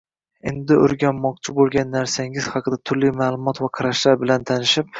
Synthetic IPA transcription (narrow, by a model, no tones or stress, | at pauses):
e̞̰nd̪ɪɵ̰ɾɡʲamːɒq̚t͡ʃʰɪbolˠɡʲanːaɾsaŋɪz̥hɑqʰɨd̪at̪ʰʊɾlimaːlˠʊmɒt̪vaqʰɑɾaʃlaɾbɪlant̪ʰanɪʃɪp̚